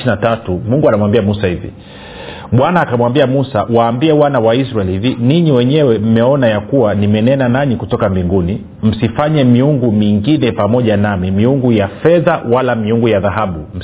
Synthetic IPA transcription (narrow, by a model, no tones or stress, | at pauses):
inatatumuŋɡuanamwambiamusahivḭ | ɓwanaːkamwambiamusawaːmbiɛwanawais̬ɾaɛlhiviniɲiwɛɲɛwɛm̩mɛɔnajakuwanimɛnɛnanaɲikutɔkambiŋɡuni | m̩sifaɲɛmiuŋɡumiŋɡinɛpamɔʄanamimiuŋɡujafɛðawalamiuŋɡujaðaɦaɓum̩